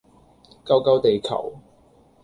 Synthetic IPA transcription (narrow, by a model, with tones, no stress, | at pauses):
kɐ˧˥wkɐ˥wt̪e˨jkʰɐ̰˨˩w